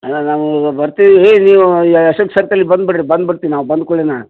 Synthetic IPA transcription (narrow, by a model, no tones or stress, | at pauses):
ɐnaːʋubɐɾt̪iʋieːniːʋuɐʃɐkːsɐɾt̪ɐlːibɐnd̪̚biɽɾibɐnd̪̚biɽt̪iinaːʋbɐnd̪̚koɭenaː